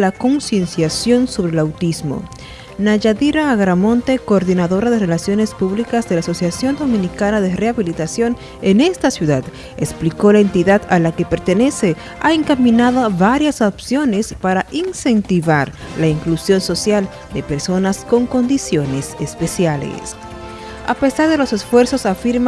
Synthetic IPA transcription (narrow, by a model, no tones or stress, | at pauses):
lako̞nsjensjasjo̞nso̞βɾelawt̪izmo̞̰ | naʝaðiɾaːɣɾamo̞nt̪e̞ko̞ːɾðinaðo̞ɾaðerelasjo̞ne̞spuβlikazðe̞laːso̞sjasjo̞nd̪o̞mĩnikanaðere̞aβilit̪asjo̞n | ene̞st̪asjuðað | ekspliko̞laent̪iðaðalake̞pe̞ɾt̪e̞ne̞se̞ | aeŋkamĩnaðaβaɾjasopsjo̞nespaɾaʔinse̞nt̪iβaɾ | laiŋklusjo̞nso̞sjal | d̪e̞pe̞ɾso̞nasko̞ŋko̞nd̪isjo̞ne̞sespe̞sjalḛs | a̰pe̞saɾðe̞lo̞se̞sfwe̞ɾso̞safiɾma